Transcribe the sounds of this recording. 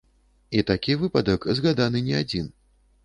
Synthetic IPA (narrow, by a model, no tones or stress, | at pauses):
it̪akʲivɨpɐd̪ɐkzɣad̪anɨnʲɛad͡zʲin